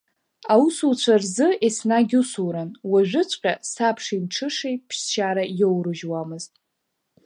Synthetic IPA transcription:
awusut͡ɕʷʰarzɨesnaɡʲusuwɾanwaʒᶣʷʊt͡ʃʷʼqʲʼasapʰʂimʈ͡ʂʰɨʂejpʰʃt͡ʃaɾajowrɨʒwamɨztʼ

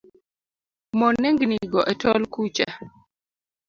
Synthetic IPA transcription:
mɔnːeŋɡniɡɔʔɛtɔlkut͡ʃa

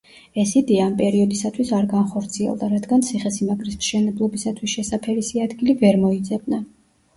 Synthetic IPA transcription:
ɛsid̪iampʼɛɾiɔd̪isat̪ʰwisaɾɡanχɔɾt̪sʰiɛ̰lˠd̪aɾad̪ɡant̪sʰiχɛsimaɡʼɾismʃɛnɛblˠɔbisat̪ʰwisʃɛsapʰɛɾisiad̪ɡilivɛɾmɔid̪zɛb̚na

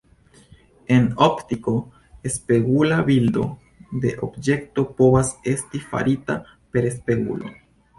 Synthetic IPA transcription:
e̞noptiko̞ | e̞spe̞ɡulabildo̞ | de̞ʔo̞bd͡ʒe̞kto̞po̞vase̞stifa̰ɾita | pe̞ɾespe̞ɡṵlo̰

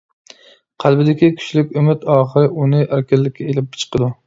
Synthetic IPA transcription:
qʰælˠbɪd̪ɪkʲikʲʰy̥t͡ʃlɪkʲømɪt̪ɑːχɨɾɪʔunɪʔæɾkʲælːɪkʲʰːɛelɪp̚bʰɪ̥t͡ʃʰə̥qɨd̪u

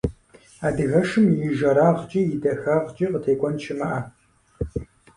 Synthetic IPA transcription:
aːdɨɣɐʃɨmjɪʒɐɾaːʁt͡ʃʼijɪdɐxɐʁt͡ʃʼiqətʰeːkʷʼɔnt͡ʃʰɪmɐʔɐ

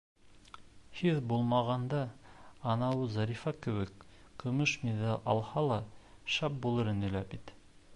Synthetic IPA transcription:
hiðbulˠmɑʁɑnd̪ɑɑnɑwɤzɑɾifɑkɘ̆wɘkːɤ̆mɤʃmiðɑlʲʔɑ̰lˠhɑlˠɑ | ʃɑp̚bulˠɤɾɘ̆nɘ̆læbit̪

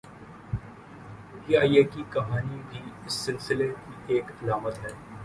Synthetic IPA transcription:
iːaːiekikɐɦaːnibʱiɪsːɪlsɪlekieːkɐlaːmət̪ɦɛː

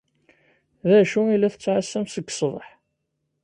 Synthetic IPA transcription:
ðæʃuilːæθət͡sːʕasːæmsəɡsˤðˤəħ

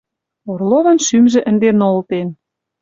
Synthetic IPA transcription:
orlˠoβɤ̆nʃymʒĕʔə̆nd̪enolt̪en

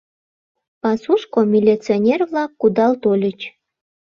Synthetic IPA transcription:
pɑsuʃkomʲilʲit͡sionʲerβlɑkːud̪ɑlt̪olʲət͡ɕ

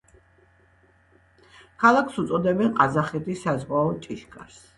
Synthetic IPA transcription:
kʰalˠakʰsut̪sʼɔd̪ɛbɛnqʼazaχɛt̪ʰisːazʁwaɔt͡ʃʼiʃkʼa̰ɾs

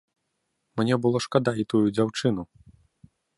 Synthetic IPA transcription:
mnʲɛbɨlˠɔʂkad̪ait̪ujud͡zʲawt͡ʂɨnu

